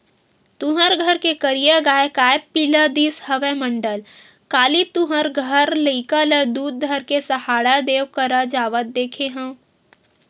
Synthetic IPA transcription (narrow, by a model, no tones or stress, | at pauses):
t̪ʊ̃ɦəɾɡʱəɾkekəɾijaɡaːekaːepilad̪iːsɦəʋemə̃ɳɖəl | kaːlit̪ʊɦəɾɡʱəɾləikaləd̪uːd̪̚d̪ʱəɾkesɐhaːɽad̪eːwkəɾad͡ʒaːʋət̪̚d̪eːkʰeɦə̃ː